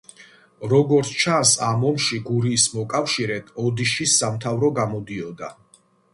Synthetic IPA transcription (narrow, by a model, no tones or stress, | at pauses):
ɾɔɡɔɾt̪sʰt͡ʃʰansamɔmʃiɡuɾiːsmɔkʼafʃiɾɛt̪ʰɔd̪iʃisːamt̪ʰavɾɔɡamɔd̪iɔd̪a